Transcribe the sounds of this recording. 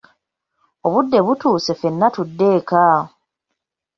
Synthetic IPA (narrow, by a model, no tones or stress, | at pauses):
o̞βudːe̞βutuːse̞fe̞nːatudːe̞ːka